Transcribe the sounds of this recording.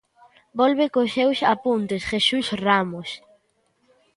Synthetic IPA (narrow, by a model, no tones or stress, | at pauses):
bɔlβekosːewsapunt̪esxesusramos